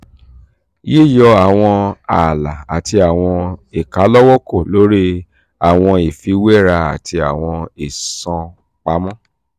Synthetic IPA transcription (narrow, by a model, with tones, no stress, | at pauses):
je˦˨jɔ˧a˨w̃ɔ̃˧a˨la˨a˨ti˧a˨w̃ɔ̃˧e˨ka˨˦lɔ˦wɔ˦ko˦˨lo˨˦ɾi˦ | a˨w̃ɔ̃˧i˨fi˨˧˦wɛ˦˨ɾa˧a̰˨ti˧a˨w̃ɔ̃˧e˨sɔ̃˧ | k͡pa˨˦mɔ̃˦